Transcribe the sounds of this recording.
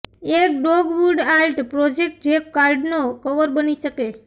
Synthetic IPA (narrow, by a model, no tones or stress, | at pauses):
ek̚ɖoɡʋuɖalʈpɾɔd͡ʒek̚ʈ̚d͡ʒekkːaɾɖnokəʋəɾbəniʃəke